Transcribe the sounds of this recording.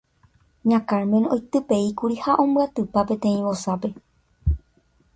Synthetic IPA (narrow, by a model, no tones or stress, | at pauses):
ɲãkaɾmẽno̞jt̪ɨpe̞ikuɾihaʔõ̞mbɨat̪ɨpapẽ̞t̪ẽ̞ĩβosape̞